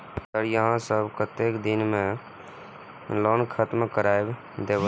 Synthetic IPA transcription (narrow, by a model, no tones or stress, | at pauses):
səɾjəɦãsəbʱkət̪ekd̪ɪnmẽ | lɔːnkʰət̪mkəɾaːeb | d̪eːbə